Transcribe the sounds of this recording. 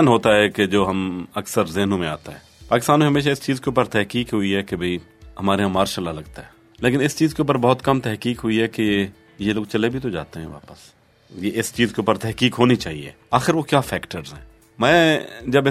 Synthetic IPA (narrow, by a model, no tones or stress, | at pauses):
nɦoːt̪aɦɛked͡ʒoːɦɐmɐksəɾzɪɦnõmẽa̰ːt̪aɦɛːpaːkɪst̪aːnmẽɦɐmeːʃ̬aɪst͡ʃiːzkeʊːpəɾt̪ɛɦkiːkɦʊiɦɛkebʱɐiɦəɐmaːɾeɦãmaːɾʃəlalɐɡt̪aɦɛː | leːkɪ̃nɪst͡ʃiːzkeuːpəɾbɔːt̪kɐmt̪ɛɦkiːkɦʊiɦɛke | jeloːɡ̚t͡ʃɐlebʱit̪od͡ʒa̰ːt̪eɦɛ̃ʋa̰ːpəs | jeʔɪst͡ʃiːzkeʊːpəɾt̪ɛɦkiːkɦoːnit͡ʃaːɦiḛːaːxɪɾʋokjaːfʰɛːkʈəɾzɦɛ̃ː | mɛ̃ːd͡ʒɐbɪ